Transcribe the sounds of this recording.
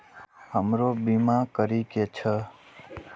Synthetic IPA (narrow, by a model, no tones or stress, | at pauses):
ɦəmɾobimãkəɾiket͡ʃʰə